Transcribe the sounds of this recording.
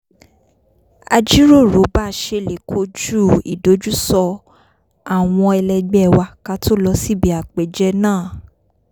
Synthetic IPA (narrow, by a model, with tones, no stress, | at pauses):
a˧d͡ʒi˦ɾo˦˨ɾo˨˦ba˦˨ʃe˧le˨kʰo˧˦d͡ʒu˦˨ḭ˨do˨˦d͡ʒu˦sɔ˧ | a˨w̃ɔ̃˧ɛ˧lɛ˧ɡ͡bɛ˦˨wa˧ka˦tʰo˦lɔ˧si˦bi˨˦a˨k͡pɛ˨d͡ʒɛ˧nãː˦˨